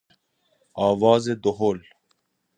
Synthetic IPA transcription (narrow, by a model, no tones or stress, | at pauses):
ɑːwɑːzed̪oɦoːl